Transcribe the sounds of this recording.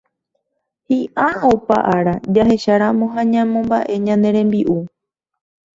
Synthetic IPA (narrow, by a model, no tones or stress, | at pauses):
hiʔaopa̰ʔaɾad͡ʒaɦe̞ʃaɾamõ̞ɦaɲãmõ̞mbaʔe̞ɲãnd̪ẽ̞ɾ̃ẽ̞mbiʔu